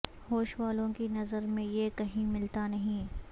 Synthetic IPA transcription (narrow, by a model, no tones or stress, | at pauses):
hoːʃʋaːlõkinɐzəɾmẽjekɐɦĩmɪlt̪anɐɦĩː